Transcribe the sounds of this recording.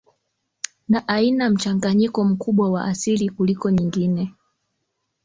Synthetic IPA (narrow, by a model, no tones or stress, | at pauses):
naʔainam̩t͡ʃaŋɡaɲikɔm̩kuɓwawa̰ʔasilikulikɔɲiŋɡinɛ